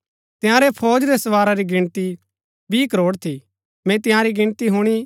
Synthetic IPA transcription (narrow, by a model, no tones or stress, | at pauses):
t̪ɪjãːɾepʰoːd͡ʒɾesɐʋaːɾaɾiɡɪɽ̃t̪i | biːkəɾoːɽt̪ʰi | mɛ̃t̪ɪjãɾiɡɪ̃ɽ̃t̪iɦuɽ̃i